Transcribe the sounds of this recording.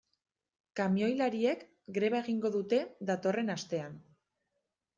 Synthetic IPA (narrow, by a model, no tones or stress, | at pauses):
kamio̞jlaɾie̞k | ɡɾe̞βae̞ɣ̞iŋɡo̞ðut̪e̞ðat̪o̞re̞nast̪e̞an